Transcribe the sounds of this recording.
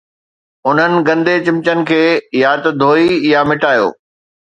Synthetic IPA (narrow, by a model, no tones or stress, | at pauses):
ʊn̤ənɪ̆ɡɐ̃nd̪et͡ɕɪ̃mt͡ɕənɪ̆kʰeːjaːt̪d̪ʱoːijamɪʈaːjo̰ː